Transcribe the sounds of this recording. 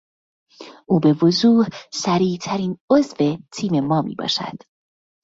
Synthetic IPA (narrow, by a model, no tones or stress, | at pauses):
ʔuːbe̞vozuːhsæɾiːt̪ʰæɾiːnozve̞t̪ʰiːme̞mɒːmḭːbɒ̰ːʃæ̰d̪̥